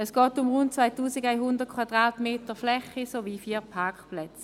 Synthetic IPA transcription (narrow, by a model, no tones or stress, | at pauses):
ɛsɡ̥ɔːtʊmʁʊnt̚t͡svaɪtuːsɪɡaɪɦʊndəʁt̚kʰwad̥ʁaːtmeːtəflɛχisoviːfiːpʰakplɛt͡s